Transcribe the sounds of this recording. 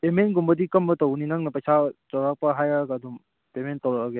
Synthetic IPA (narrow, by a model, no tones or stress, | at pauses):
pemenɡumbɐdikɐmbɐtɔwninaŋnɐpɐjsʰatɔwɾak̚pɐɦajakadum | pementɔwɾakːɡe